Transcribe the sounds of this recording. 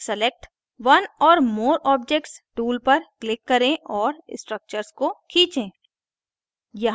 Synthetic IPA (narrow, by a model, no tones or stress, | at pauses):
səlek̚ʈ | ʋɐnɔːɾmoːɾɔːb̚d͡ʒek̚ʈsʈuːlpɐɾklɪkːɐɾẽʔɔːɾɪsʈɾək̚t͡ʃəɾskokʰiːt͡ʃẽː | jɐɦ